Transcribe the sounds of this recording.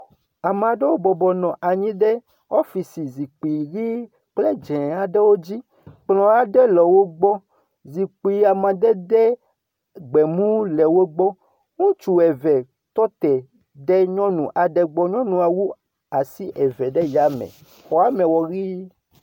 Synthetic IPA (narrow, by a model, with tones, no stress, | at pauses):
a˨mã˨ɖɛ˦wo˦bɔ˨bɔ˨nɔ̃˨ʔa˨ɲĩ˦ɖɛ˦ | ɔ˦fi˨si˨zi˨k͡pi˨ɣi˦ | k͡ple˦d͡ʒɛ̃˨a˨ɖe˦wo˦d͡ʑi˦ | k͡plɔ̃˨a˨ɖɛ˦lɔ˨wo˦ɡ͡bɔ˦ | zi˨k͡pi˨a˨mã˨d̪ɛ˦ɖɛ˦ | ɡ͡bɛ˨mũ˦lɛ˨wo˦ɡ͡bɔ˦ | ŋũ˦t͡ʃu˦ɛ˨vɛ˨ | t̪ɔ˦t̪ɛ˨ | ɖɛ˦ɲɔ̃˦nũ˨ʔa˨ɖɛ˨ɡ͡bɔ˦ɲɔ̃˦nũ˨a˨wu˦ | a˨si˦ʔɛ˨vɛ˨ɖɛ˦ja˨˦mɛ̰̃˨ | xɔ˨a˦mɛ̃˨wɔ˨ɣi˦